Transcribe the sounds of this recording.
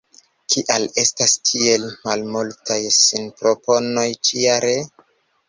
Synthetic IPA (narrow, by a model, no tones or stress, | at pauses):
kʰiʔale̞stastʰie̞lmalmultajsinpɾo̞po̞no̞jt͡ʃiaɾe